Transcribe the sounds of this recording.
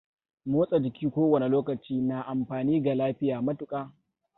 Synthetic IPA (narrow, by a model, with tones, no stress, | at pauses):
moː˦sʼa˨d͡ʒɪ˨kʲʰiː˦kʷoː˦wɐ˨ne˨loː˦kɐ˨t͡ʃiː˦naː˨ʔa˨mɸaː˨niː˦ɡa˨laː˦ɸɪ˦jaː˨mɐ˦tʊ˨kʼaː˦